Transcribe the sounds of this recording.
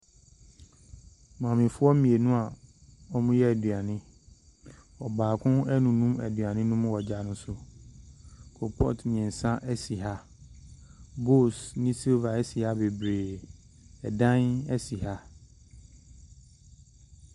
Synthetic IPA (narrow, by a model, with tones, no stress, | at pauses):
mã˨mɪ̃˨fʊ˦ɔ˦mĩ˨e˨nũ˦a˨ɔ˦mũ˦jɛ˦ɛ˨dɥa˨nɪ̃˦ | ɔ˨baː˨kʰʊ̃˦nɛ˦nũ˨nũ˦mɛ˨dɥa˨nɪ̃˦nũ˦mʊ̃˦wɔ˨d͡ʑa˨nʊ̃˦sʊ˦ | kʰo˨pʰɔ̰˦tnɪ̃˨ɛ̃˨n̩˨sã˦ʔɛ˦si˨ɦa˦ | bo˦˨snɪ̃˦si˦lva˨ɛ˦si˨ha˦be˨bɾeː˨ | ɛ˨dã˦nɛ˦si˨ha˦